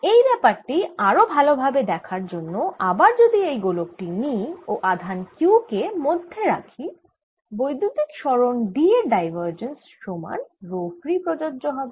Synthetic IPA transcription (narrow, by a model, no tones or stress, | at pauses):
ejbɛpaɾʈiaɾobʱalobʱabed̪ɛkʰaɾd͡ʑonːoʔabaɾd͡ʑod̪iejɡolok̚ʈinioʔad̪ʱankjuukemod̪ʱːeɾakʰi | bojd̪ʱut̪ikʃɔɾonɖieɾɖajbʱaɾd͡ʑens | ʃoma̰nɾofɾipɾɔd͡ʑod͡ʑoɦɔbe